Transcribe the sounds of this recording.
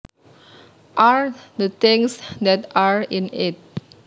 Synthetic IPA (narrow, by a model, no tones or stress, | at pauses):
ʔaɹd̪ət̪ɪ̃ŋsd̪ɛtaɹĩnɪt̚